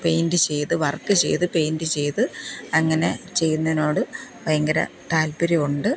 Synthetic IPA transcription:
pe̞jndɨt͡ɕe̞jt̪ɨʋɐrkːɨt͡ɕe̞̰jt̪ɨpe̞jndɨt͡ɕe̞jt̪ɨɐŋːɐne̞̰t͡ɕe̞jːunːɐðino̞ːɽɨʋɐjŋɡɐɾɐ̰t̪aːlpɐɾiuɳɖɨ

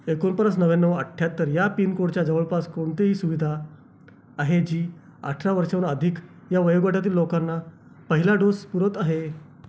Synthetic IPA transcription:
ekonpəɾəsnəʋenːəʋəʈʰjat̪ːəɾjapiːnkoɽt͡ɕjad͡zəʋəɭpaskoɳt̪eɦiːsuʋid̪ʱaː | ɦed͡ʑiː | a̰ʈʰɾaʋəɾʂaunəd̪ʱik | jaʋəjoɡʋaʈat̪̬iːlːokanːa | pəɦilaɖospuɾət̪aɦe

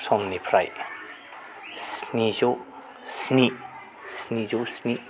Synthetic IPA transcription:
sɔmnipʰɾa̰j | snizo | sni | snizosni

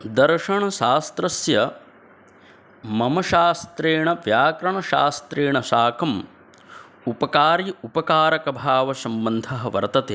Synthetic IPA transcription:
d̪ɐɾʂɐɳɐʃaːst̪ɾɐsjɐ | mɐmɐʃaːst̪ɾeːɳɐʋjaːkɾɐɳɐʃa̰ːst̪ɾeːɳɐʃaːkʰɐm | upɐkaːɾiupɐkaːɾɐkɐbʱaːʋɐsɐmbɐnd̪ʱɐɦɐ̆ʋɐ̰ɾt̪ɐt̪eː

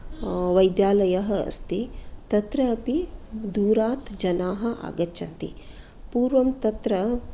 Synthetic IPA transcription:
ʋɐjd̪jaːlɐjɐɦɐɐ̰st̪it̪ɐt̪ɾɐːpid̪uːɾaːt̪d͡ʒɐnaːɦɐ̆ʔa̰ːɡɐtːʃɐnt̪ḭ | puːɾʋɐmt̪ɐt̪ɾɐ

